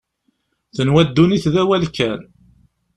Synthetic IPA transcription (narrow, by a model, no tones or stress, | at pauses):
θənwæd̪ːuniθðæwælkːæn